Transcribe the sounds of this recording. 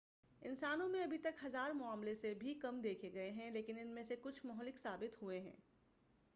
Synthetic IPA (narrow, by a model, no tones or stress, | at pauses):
ɪnsaːnõmẽɐbʱit̪ɐkɦɐzaːɾmʊaːmlesebʱikɐmd̪eːkʰeɡɐeɦɛ̃leːkɪnɪnmẽsekʊt͡ʃʰmɔɦlɪksaːbɪt̪ɦueɦɛ̰̃ː